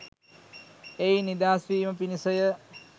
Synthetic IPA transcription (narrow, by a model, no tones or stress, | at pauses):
ejnid̪aːsʋiːməpinisəjə